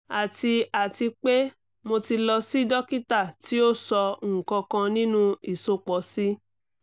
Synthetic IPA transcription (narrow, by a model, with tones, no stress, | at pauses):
a˨ti˧a˨ti˧k͡pe˦ | mo˧ti˧lɔ˧si˦dɔ˦ki˦ta˦˨ti˦o˦sɔ˧ŋ̩˨kɔ̃˧kã˧nĩ˦nũ˦i˨so˧k͡pɔ˨˦si˦